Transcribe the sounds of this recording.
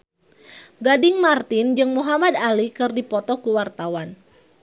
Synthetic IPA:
ɡadɪŋmart̪ɪnd͡ʒɨŋmuɦamad̪alikɨrdipɔt̪ɔkuwart̪awan

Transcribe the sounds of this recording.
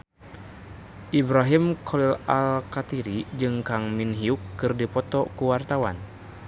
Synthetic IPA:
ʔibɾaɦimkʰɔlilalkat̪iɾid͡ʒɨŋkaŋminɦiukːɨrdipɔt̪ɔkuwart̪awa̰n

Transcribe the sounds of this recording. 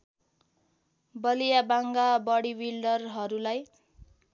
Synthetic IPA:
bʌlijabaŋɡabʌɽiwilɖʌrɦʌɾulaj

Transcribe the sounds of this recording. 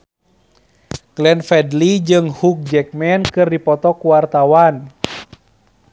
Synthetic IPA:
ɡ̥lɛnfɛdlid͡ʒɨŋhuk̚d͡ʒɛk̚mɛnkɨrdipɔt̪ɔkuwart̪awan

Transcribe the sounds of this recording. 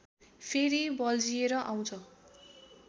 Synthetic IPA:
pʰeɾibʌld͡zijeɾʌʔaw̃t͡sʰʌ

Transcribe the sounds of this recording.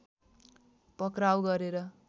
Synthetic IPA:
pʌkrɾawɡʌɾeɾʌ

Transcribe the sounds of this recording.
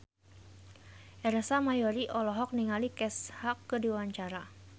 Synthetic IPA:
ʔɛɾasamajɔɾiʔɔlɔɦɔk̚niŋalikɛshakːədiawaɲt͡ʃaɾa

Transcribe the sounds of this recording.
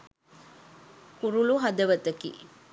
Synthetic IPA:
kuɾuluɦɐd̪ɐʋɐt̪ɐkḭ

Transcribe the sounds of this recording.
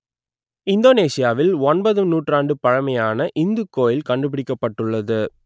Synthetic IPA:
ɪnd̪oːneːsɪjaːʋɪlɔnbɐðɯnuːʈraːɳɖɯpɐɻɐmɐjaːnɐʔɪnd̪ɯkːoːjɪlkɐɳɖɯp̬ːɪɽɪkːɐpːɐʈːɯɭːɐðɯ

